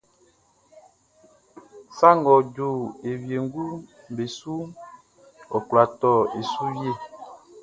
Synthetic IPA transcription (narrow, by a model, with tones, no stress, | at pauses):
sa˦ŋɡɔ˨d͡ʒo˦˨e˨wje˨ŋ˦ɡu˦ | m˨be˨su˦ | ɔ˨kwa˨tɔ˦˨e˨su˦je˦˨